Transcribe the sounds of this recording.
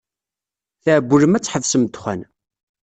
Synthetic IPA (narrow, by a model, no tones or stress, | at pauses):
θəʕəbːuləmæt͡sːħəvsəmt̪χæ̰n